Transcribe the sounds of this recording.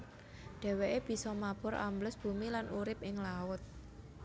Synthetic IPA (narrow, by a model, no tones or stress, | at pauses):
ɖ̥ɛ̤weʔeb̥i̤sɔmab̥ʊ̤ɾʔa̰mbləsb̥ṳmilanʔuɾɪp̚ɪŋlaʊt̪̚